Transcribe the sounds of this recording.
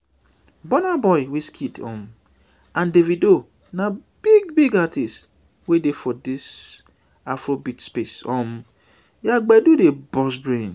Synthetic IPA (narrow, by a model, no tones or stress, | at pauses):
bɔnabɔɪweskʰitɔ̰m | ãndevido | nab̥iɡbiɡatist | wedefɔdɪs | afɾobitspesɔm | jaɡ͡bɛdudebɔs̬bɾẽn